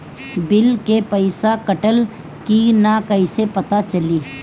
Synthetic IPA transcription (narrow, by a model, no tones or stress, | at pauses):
bɪlkepəɪsakɐʈəl | kinakɐisepɐt̪at͡ʃɐliː